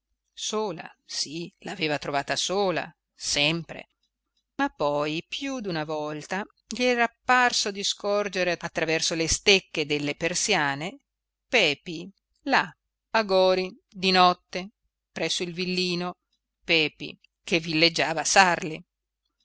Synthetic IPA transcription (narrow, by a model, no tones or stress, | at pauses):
soːla̰sila̰ːveːvat̪ɾovaːt̪asoːla̰ | sɛmpɾḛ | mapːɔjpjud̪unavɔlt̪a | ʎiɛɾapːarsod̪iskɔrd͡ʒeɾeat̪ːɾavɛrsolest̪ekːed̪elːepersjaːne | pɛːpi | la | aɡɔːɾi | d̪inɔt̪ːe | pɾɛsːoilvilːiːno | pɛːpḭ | kevilːed͡ʒːaːvasarli